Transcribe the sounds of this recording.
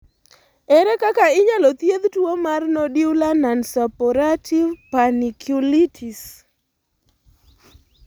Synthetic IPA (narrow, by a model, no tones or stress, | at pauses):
ɛɾɛkakaɪɲalɔt̪jed̪twomarnɔdiulanansɔpɔɾativpanikʰjulitʰis